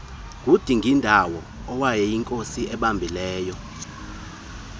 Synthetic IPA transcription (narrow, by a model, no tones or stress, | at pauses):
k̬ʼud̥ʱiŋɡʱindʱawɔ | ɔwajɛjiŋkʼosiɛɓambʱilɛːjɔ